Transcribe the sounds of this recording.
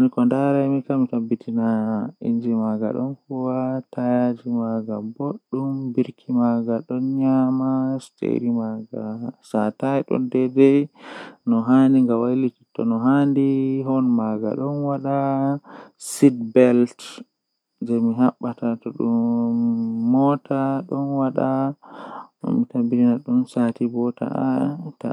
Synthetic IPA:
nikɔndaɾajmikamitabːitʰinaḭnd͡ʒimaɡa̰ɗɔ̰nfuwatajad͡ʒimaɡaboɗːumbiɾkʰimaɡaɗɔnɲamastḛɾimaɡa̰sataɛɗɔ̰ndɛdɛ | nɔɦaniŋɡawajliti̥tɔnɔɦandiɦɔnmaɡa̰ɗɔnwaɗa | sidbɛlt | d͡ʒɛmiɦaɓːatatɔɗumː | ɔtʰaɗɔnwaɗa | mitambiɾinaɗumsatibɔta̰ata̰

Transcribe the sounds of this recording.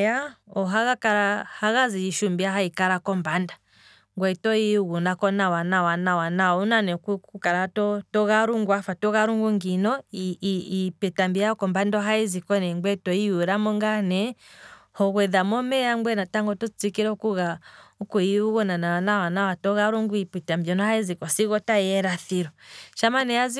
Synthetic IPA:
aɔɦaɣakaɾahaɣaziiʃumbiaɦaikaɾakɔmbanda | ŋɡwɛitɔiuɣunakɔnawanawanawanawɔunanɛkukukaɾatɔtɔɣaɾuŋɡwafatɔɣaɾuŋɡuŋɡinɔiipɛtambiaɔkɔmbandɔɦaizikɔnɛŋɡwɛtɔiuɾamɔŋɡanɛhɔɣwɛðamɔmɛjaŋɡwɛnataŋɡɔtɔt͡sikiɾɛukuɣaukuiuɣɔnanawanawanawatɔɣaɾuŋɡuipɛtambiɔnɔhaizikɔsiɣɔtaɛɾaθiɾɔʃamanɛazi

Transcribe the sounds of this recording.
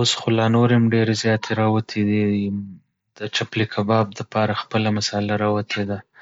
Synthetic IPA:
osxolɑnoɾemɖeɾezjɑt̪ʰeɾɑwat̪ʰed̪i | d̪̥ət͡ʃaplikʰabɑb̚d̪apɑɾaxpəlamasalaɾɑwat̪ʰed̪a

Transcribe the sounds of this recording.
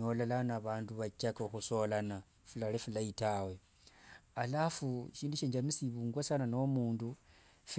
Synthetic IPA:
olalanaβaːnduβat͡ʃakaxuso̞lana | fulalefulaitawe | alafuʃiːnduʃeːɲd͡ʒamisiβuːŋɡwasananoomuːndu | f

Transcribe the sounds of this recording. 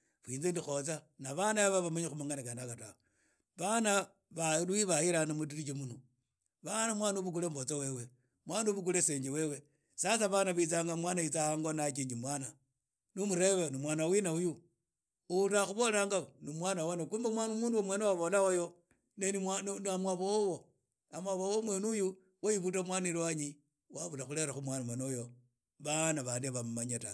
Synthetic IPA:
βwiːnzendixo̞t͡sa | naβanaaβaβamaɲexumaŋɡanikanakatao | βana | βalwiβahiɾanamut̬iɾit͡ʃimuno | βanamwanuβuk̬ulemβot͡sawe̞we | mwanuβuk̬uleseːɲd͡ʒewe̞we̞ | sasaβanaβit͡saŋɡamwanait͡sahaŋɡonakiɲimwana | numuɾe̞βenimwaːnawinauju | utaxuβo̞laːŋɡanimwanawanokumbamwanumuːnduwomwenewaβolaojo | neniannamwaβowowo | amwaβowomwenuju | waiβut̬amwanilwaɲi | waβulaxule̞ɾaxumwanamwenojo | βanaβaːndiβamumaɲata

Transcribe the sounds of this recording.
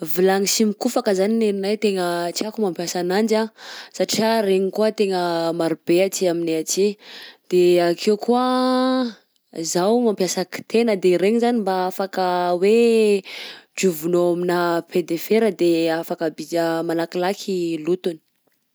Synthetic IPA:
vilaŋisimikufakəzanineɾinajt̪eŋət͡siakumampjasanand͡ʒasaʈ͡ʂiaɾeɲikuət̪eŋəmaɾub̥eat͡siamineat͡sid̪̥eakʰewkuə | zawmampjasəki̥t̪enəd̪eɾeɲizanimbaafakəwe | ɖ͡ʐuvunoaminəped̪efeɾəd̪eafakəbid͡ʒəmalakilakʰilut̪uni̥

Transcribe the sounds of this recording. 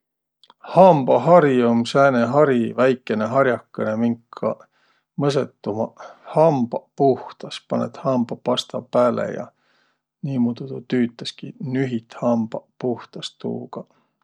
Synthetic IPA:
hɑmb̥ɑɦɑɾjomsæːneɦɑɾivæjkːˑe̞neɦɑɾjɑkːɑnemiŋkʰːɑ̰ | mɤs̬et̪ːumɑhɑmb̥ɑpuht̪ɑspɑnḛt̪hɑmbɑpɑst̪ɑpæːlḛjɑ̰ | niːmud̪̥ud̪ut̪yːt̪ːˑɑskinyɦit̪hɑmb̥ɑpuht̪ɑst̪ṵːɡ̥ɑ

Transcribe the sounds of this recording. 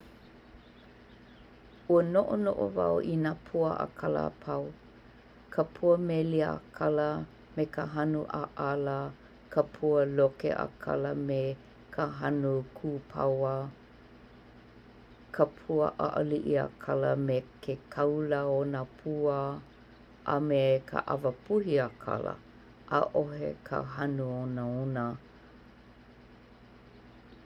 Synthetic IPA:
uənoʔono̰ʔo̰va̰oʔinaːpʰuəʔa̰kʰalə̰pʰaw | kʰəpʰuəmeliəakʰalə | mekaɦanuʔaʔalə | kəpʰuəlokḛʔa̰kʰa̰ləme | kʰaɦɐnukʰuːpʰawə | kʰəpʰuə̰ʔa̰ʔəliʔia̰kʰaləmekʰekʰɐwləonəpʰuə | ʔɐmekʰə̰ʔa̰vəpuhiakʰa̰lə̰ | ʔaʔoɦḛkʰə̰ɦanuonəonə

